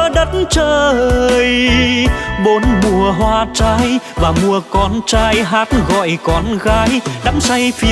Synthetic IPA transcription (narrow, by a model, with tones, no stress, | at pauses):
ɗə˨˦t̚nt͡ɕəː˧˩ʔəː˧˨˧j | ɓo˨˦nmu˨˩əɦwaː˧t͡ɕaː˧jvaː˨˩mu˨˩əkɔ˨˧˦nt͡ɕaː˧jɦaː˦˥t̚ɣɔ̰˧˨jkɔ˨˦nɣaː˨˦jɗa̰ː˧˥wŋ͡msa˧jfi˨˧˦